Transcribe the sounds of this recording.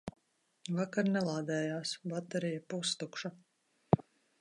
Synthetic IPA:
vakaɾnɛlˠaːd̪ɛːjaːsbat̪ɛɾijapust̪ukʃa

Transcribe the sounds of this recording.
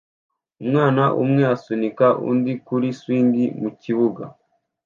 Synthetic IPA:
umŋaːnaʔṵmŋe̞asunikaʔṵndikuɾiswiːŋɡimuciβuɡa

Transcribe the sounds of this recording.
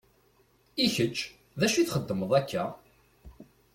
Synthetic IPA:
içət͡ʃː | ðæʃiθχəd̪ːəməðˤækʰːæ

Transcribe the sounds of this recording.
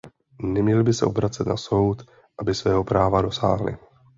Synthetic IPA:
nɛmɲɛlbɪsɛʔo̞bɾat͡sɛt̪naso̞wt̪ | ʔabɪsvɛːɦo̞pɾaːvado̞sa̰ːɦlɪ̰

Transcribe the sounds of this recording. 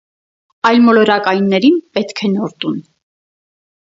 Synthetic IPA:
ɑjlmɔlɔɾɑkɑjnːɛɾinpɛt̪kʰɛnɔɾt̪un

